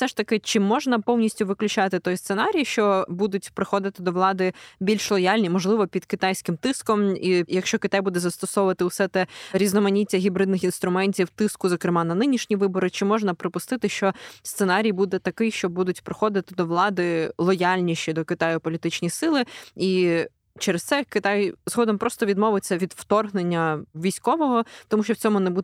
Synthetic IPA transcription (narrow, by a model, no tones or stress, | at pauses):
sɛʃt̪ɐkɪt͡ʃɪmːɔʒnɐpɔwnʲisʲtʲʊʋɪklʲʊt͡ʃɑt̪ɪt̪ɔjst̪senɑɾʲijʃt͡ʃɔbud̪ʊtʲpɾɪxɔd̪ɪt̪ɪd̪ɔwlˠɑd̪ɪbʲilʲʃlˠɔjalʲnʲimɔʒlˠɪʋɔpʲid̪kɪt̪ajsʲkɪmt̪ɪskɔmijɐkʃt͡ʃɔkɪt̪ajbud̪ɛzɐst̪ɔsɔʊʋɐt̪ɪwsɛt̪ɛɾʲiznɔmɐnʲitʲːɐɦʲibɾɪd̪nɪxinst̪ɾʊmɛnʲtʲiwt̪ɪskʊzɔkɾɪmɑnɐnɪnʲiʃnʲiʋɪbɔɾɪt͡ʃɪmɔʒnɐpɾɪpʊst̪ɪt̪ɪʃt͡ʃɔst̪senɑɾʲijbud̪ɛt̪ɐkɪjʃt͡ʃɔbud̪ʊtʲpɾɪxɔd̪ɪt̪ɪd̪ɔʋlˠɑd̪ɪlˠɔjalʲnʲiʃt͡ʃid̪ɔkɪt̪ɑjʊpɔlʲit̪ɪt͡ʃnʲisɪlˠɪi | t͡ʃɛɾest̪sɛkɪt̪ɑjz̥ɦɔd̪ɔmpɾɔst̪ɔʋʲid̪mɔʋɪt͡sʲːɐʋʲid̪wt̪ɔrɦnenʲːɐʋʲijsʲkɔʋɔɦɔt̪ɔmuʃt͡ʃɔwt͡sʲɔmʊnɛbud̪